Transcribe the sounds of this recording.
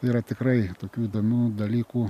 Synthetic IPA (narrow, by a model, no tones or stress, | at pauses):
tɐɪiɾɐt̪ʲɪkrɐɪt̪oːkʲuːid̪oːmʲuːd̪ɐlʲiːkuː